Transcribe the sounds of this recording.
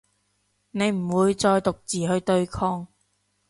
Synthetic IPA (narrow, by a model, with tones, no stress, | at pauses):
ne˨˧jm̩˨˩wuː˨˧jt͡sɔː˧jt̪ʊ˨k̚t͡siː˨hɵ˧ɥt̪ɵ˧ɥkʰɔː˥ŋ